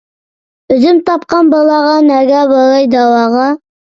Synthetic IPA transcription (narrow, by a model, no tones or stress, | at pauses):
ɵzɪmt̪ɑp̚qɑnbɑlˠɑʁɑnæɡæbɑɾɑjd̪ɑwɑʁɑ